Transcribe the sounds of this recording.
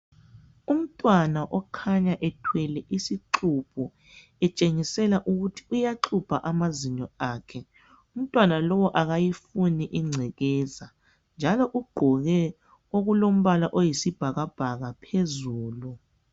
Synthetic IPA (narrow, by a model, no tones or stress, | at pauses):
um̩tʼwanaʔɔkʰaɲaʔɛtʰwɛlɛʔisiǁupʰu | ɛt͡ʃʼeŋisɛlaʔuɣutʰi̥ujaǃʰupʰaʔamaziɲɔaːkʰɛ | um̩tʼwanalɔwɔʔaɣajifuniʔiŋ͡ǀʱɛɣɛːza | nd͡ʒʱalɔʔuɡ͡ǃʱɔɣɛ | oɣulom̩βalaʔojisib̥ʱaɣab̥ʱaɣapʰezuːlu